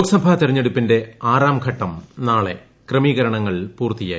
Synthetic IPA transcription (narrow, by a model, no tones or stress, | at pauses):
oksɐbʱaːt̪irɐɲːeɽupːinde̞aːɾaːmɡʱɐʈːɐmnaːɭe̞ | krɐmiːɣɐɾɐɳɐŋːɐɭpuːrt̪ija̰ː